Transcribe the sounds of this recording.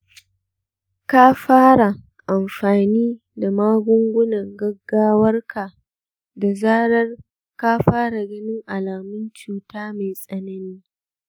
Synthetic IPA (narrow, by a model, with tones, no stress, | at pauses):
ka˦ɸaː˦ɽa˨ | ʔa˨mɸaː˨niː˦ | da˨maː˦ɡʷʊ˦ŋɡʷʊ˦nɐ˨ŋɡɐ˦ɡːaː˦wɐ˦rkʰa˨ | da˨zaː˦ɾɐ˦r | ka˦ɸaː˦ɽa˨ɡɐ˦nɪ˦ŋʔa˨laː˨mʊ˦nt͡ʃuː˨taː˦ma˨jsʼɐ˦nɐ˦niː˦